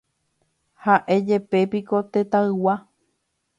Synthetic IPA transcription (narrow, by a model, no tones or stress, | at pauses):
haʔe̞d͡ʒe̞pe̞piko̞t̪e̞t̪aɨwa